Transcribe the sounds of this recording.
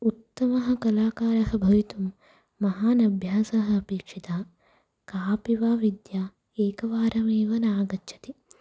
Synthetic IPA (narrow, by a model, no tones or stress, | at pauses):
ut̪ːɐmɐɦɐ̆kɐlaːkaːɾɐɦɐbʱɐʋit̪umː | ɐɦaːnɐbʱjaːsɐɦɐ̆ɐpeːkʂit̪aː | kaːpiʋaːʋid̪jaː | eːkɐʋaːɾɐmeːʋɐnaːɡɐtːʃʰɐ̥t̪i